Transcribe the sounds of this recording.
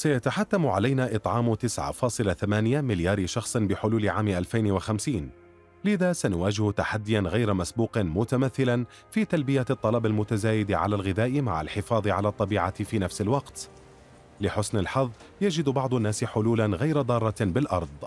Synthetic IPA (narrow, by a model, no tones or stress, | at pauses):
sajat̪aħat̪ːamʕalajnaːʔɨt̪ˤʕɑːmt̪ɪsʕa̰fɑːsˤɨlaθamaːnɪjamɪljaːɾɪʃɑxsˤɨnbɪħʊluːlɪʕaːmɪʔalfajnwaxamsiːn | lɪðaːsanʊwaːd͡ʒɪht̪aħad̪ːɪjanɣajɾamasbuːqmʊt̪amaθːɪlan | fiːt̪albɪjat̪ˤːɑlɑbalmʊt̪azaːjɪd̪ʕa̰laːlɣɪðaːʔɪma̰ʕa̰lħɪfɑːðˤɨʕalaːt̪ˤːɑbiːʕafiːnafsɪlwɑqt̪ | lɪħʊsnɪlħɑðˤː | jad͡ʒɪd̪bɑʕd̪ˤʊnːaːsɪħʊluːlanɣajɾad̪ˤɑːrˤːɑbɪlʔɑɾˤd̪ˤ